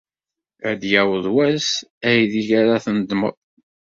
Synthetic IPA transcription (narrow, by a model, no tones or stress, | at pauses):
əd̪jæwəðˤwæsæjðiʝaɾaθənd̪mə̰ðˤ